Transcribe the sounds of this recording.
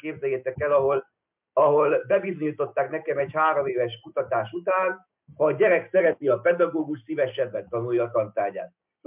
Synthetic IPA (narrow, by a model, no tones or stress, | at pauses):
keːbzɛjɛt̪ɛkːɛlɒɦo̞l | ɒɦo̞lbɛbizo̞ɲit̪o̞t̪ːaːknɛkɛmɛɟhaːɾomeːvɛʃkut̪ɒt̪aːʃut̪aːn | hɒːɟɛɾɛksɛɾɛtiɒpɛd̪ɒɡoːɡuʃsivɛʃɛbːɛnt̪ɒnujːɒːt̪ɒnt̪aːɟa̰ːt̪